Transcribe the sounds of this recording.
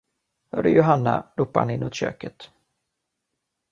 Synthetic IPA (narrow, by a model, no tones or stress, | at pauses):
hœɾəjʊɦanːa̰ɾuːpːaha̰nɪnːʊt̪ɕø̰ːkət̪